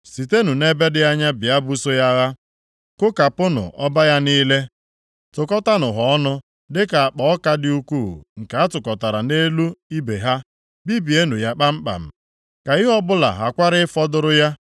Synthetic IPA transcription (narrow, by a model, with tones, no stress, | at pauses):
si˨te˦nu˨ne˦be˦dɪ˦a˦ɲa˦bɪ˨a˦bu˦so˦ja˦ɣa˦ | kʊ˦ka˨pʊ˦nʊ̰˨ʔɔ˦ba˦ja˦niː˦le˦ | tʊ˨kɔ˦ta˦nʊ˨ɦɔ˨˦nʊ˦ | dɪ˦ka˨a˨k͡pɔ˨ɔ˦ka˦dɪ˦u˦ku˦˨ŋ̩˨ka˨a˦tʊ˨kɔ˨ta˨ɾa˨ne˦lu˦i˦be˨ɦa˦ | bi˦bi˨e˦nu˨ja˦k͡pa˦m̩˦k͡pa̰˨m̩˨ | ka˨ɪ˦ɦɔ˦bʊ˦la̰˨ɦa˨kʷa˦ɾɪ˦fɔ˦dʊ˦ɾʊ˦ja˦